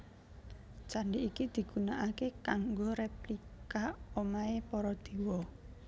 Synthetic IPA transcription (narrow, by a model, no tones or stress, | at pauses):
t͡ʃaɳɖiʔːkid̪̥i̤ɡ̥ṳnaʔakekaŋɡoɾeplikaomaepɔɾɔd̪̥i̤wɔ